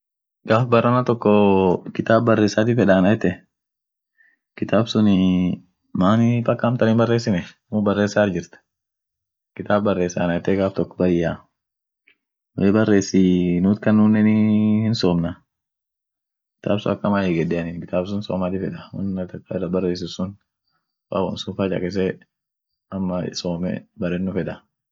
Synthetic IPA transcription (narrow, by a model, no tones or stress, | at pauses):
ɡaːfbɐrːɐnɐt̪ɔkːɔkɪt̪aːbbɐrːeːsːaːt̪ɪfɛᶑaːnɐjt̪ːɛ | kɪt̪aːbsʊnɪ | maːnɪfɐkːaːmt̪ɐnɪnbɐrːeːsːɪnɛ | mʊbɐrːeːsaːɾd͡ʒɪɾt̪ɐ̥ | kɪt̪aːbbɐrːeːsːa̰ːnɐjt̪ːɛɡaːft̪ɔkːɔ̥bɐjːa | weːbɐrːe̞ːsːinuːt̪kɐnːunːɛnɪhɪnsoːmnɐ | kɪ̥t̪a̰ːbsʊɐkːɐmaːjɛɡɛdɛɐnɪkɪt̪aːbs̬ʊnsoːmat̪ɪfɛᶑɐwɐ̰nːɐt̪ɐkːaɪrːɐbɐrːe̞ːs̬ɪsʊn | fa̰wɔ̰nsʊfɐt͡ʃɐ̰kʼɛs̬ɛ | ɐmːɐsoːmɛ̰bɐɾɛnːʊfɛᶑɐ